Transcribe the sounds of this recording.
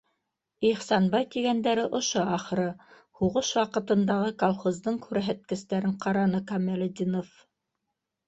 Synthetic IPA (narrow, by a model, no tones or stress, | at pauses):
iχsɑnbɑjk̪iɡænd̪æɾɘʔŏʃoɑχɾɤ | huʁɤʃwɑqɤ̆t̪ɤ̆nd̪ɑʁɤkolˠχozd̪ɤɴkʉɾæɦæt̪̚kɘ̆st̪æɾɘɴqɑɾɑnɤkɑmælʲd̪ʲinof